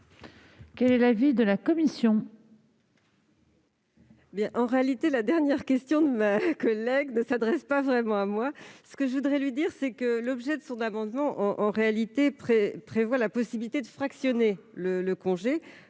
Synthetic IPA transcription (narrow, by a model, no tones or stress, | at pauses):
kɛlɛlavid̪əlakɔmisjɔ̃ | bjɛ̃ʔɑ̃ʁealit̪elad̪ɛʁnjɛʁkʲɛst̪jɔ̃d̪əmakɔlɛɡnəsad̪ʁɛspavʁɛmɑ̃amwasə̥kəʒəvud̪ʁɛlɥid̪iʁsɛkəlɔbʒɛd̪əsɔ̃namɑ̃d̪mɑ̃ʔɑ̃ʔɑ̃ʁealit̪epχepχevwalapɔsibilit̪ed̪əfχaksjɔnelələkɔ̃ʒe